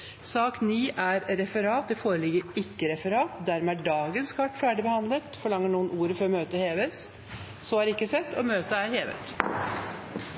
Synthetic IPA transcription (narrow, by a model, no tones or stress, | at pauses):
sɑːkniːʔæɾɾɛfəɾɑːt̪̚d̪ɛfoːɾəlɪɡəɾɪkːəɾɛfəɾɑːt̪d̪æɾmɛæɖɑːɡənskʰɑʈfæːɖɪbəhɑnd̪lət̪fɔɭɑŋːəɳuːənʔuːɾəfɔɾɔmøːt̪əheːʋəs | sɔhɑːɾɪkːəsɛt̪ːɔmøːt̪əæɾheːʋə̰t̪